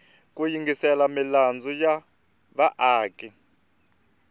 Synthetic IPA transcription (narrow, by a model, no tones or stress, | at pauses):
k̬ʼujiŋɡisɛlamiland͡zɔja | βaʔaːkʼɛ